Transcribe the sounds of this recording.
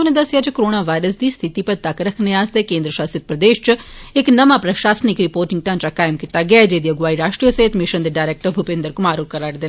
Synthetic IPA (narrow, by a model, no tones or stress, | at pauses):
ʊnẽd̪əsɪjaːt͡ʃəkoɾoːnaːʋaːɪɾəsd̪iːst̪ʰɪt̪ipəɾt̪əkɾəkʰneaːst̪ekẽːnd̪ɾəʃaːst̪ɪt̪̚pɾəd̪eːʃt͡ʃɪknəmãːpɾəʃaːsnɪkɾɪpoːɾʈɪ̃ŋɡ̚t̪ãːt͡ʃakaːɪmkit̪aːɡɛad͡ʒeːd̪iːəɡʋaːiɾaːʃʈɾijəsəɦɪt̪mɪʃənd̪eːɖaːɪɾeːk̚ʈəɾbʱʊpẽnd̪əɾkʊmaːɾukəɾəʈd̪eːn